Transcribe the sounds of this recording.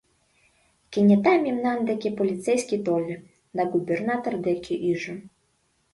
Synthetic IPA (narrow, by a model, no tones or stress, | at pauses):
kʲinʲɛt̪amʲimnand̪ɛkʲipɔlʲit̪sɛjsʲkʲit̪ɔlʲɛ | d̪ɐɡubʲɛrnat̪ɐrd̪ɛkʲiʔiʐɐ